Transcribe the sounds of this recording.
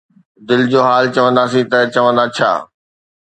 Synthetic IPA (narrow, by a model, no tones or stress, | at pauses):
d̪ɪld͡ʑoːɦaːlt͡ɕɐʋə̃nd̪aːsĩt̪ɐt͡ɕɐʋə̃nd̪at͡ɕʰa̰ː